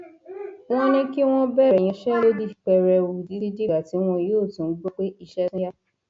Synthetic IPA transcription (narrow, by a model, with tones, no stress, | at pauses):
w̃ɔ̃˦nĩ˧ki˦w̃ɔ̃˦bɛ˦˨ɛ˨j̃ĩ˧ʃɛ˦lo˦di˧˨k͡pɛ˨ɾɛ˨wu˨di˨˦di˦d͡ʒe˦ɡa˨ti˨˦w̃ɔ̃˧joː˦˨tũ˨n̩˦ɡ͡bo˦k͡pe˦i˧ʃɛ˧sĩ˦ja˦